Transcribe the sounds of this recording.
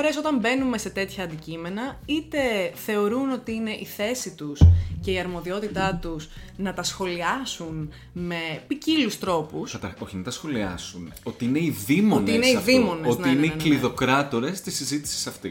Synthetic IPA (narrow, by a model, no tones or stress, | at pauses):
oɾeso̞t̪ɐmbe̞nume̞se̞t̪e̞t̪çɐɐːnd̪icime̞nɐit̪e̞θe̞o̞ɾuno̞t̪iine̞ʔiθe̞sit̪usce̞iɐɾmo̞ðio̞t̪it̪ɐt̪usnɐt̪ɐsxo̞liɐsun | me̞picilust̪ɾo̞pusɐt̪ɐo̞çinɐt̪ɐsxo̞liɐ̰suno̞t̪iine̞iðimoneineiðimo̞neotniineikliðo̞kɾɐt̪o̞ɾe̞st̪isizit̪i̥si̥sɐft̪ḭ